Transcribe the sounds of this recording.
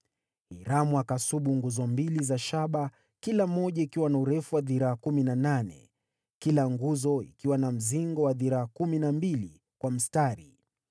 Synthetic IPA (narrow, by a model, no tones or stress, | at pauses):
hiɾamuakasuɓuŋɡuzɔmbilizaʃaɓa | kilam̩ːɔʄaikiwanauɾɛfuwaðiɾaːkuminananɛ̰ | kilaŋɡuzɔḭkiwanam̩ziŋɡɔwaðiɾaːkuminambili | kwam̩staɾi